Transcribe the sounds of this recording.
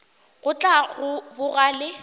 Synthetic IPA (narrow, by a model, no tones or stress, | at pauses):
ɣʊt͡ɬʼaɣʊbʊɣalɪ